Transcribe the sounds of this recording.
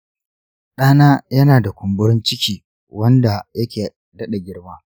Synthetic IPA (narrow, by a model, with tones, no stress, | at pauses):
ɗaː˦naː˦jɐ˦naː˨da˨kʷʊ˨mbʊ˦ɽɪ˦nt͡ʃɪ˦kʲiː˨ | wɐ˦nda˨jɐ˦kʲeː˨ | dɐ˦ɗa˨ɡʲɪ˦ɽmaː˦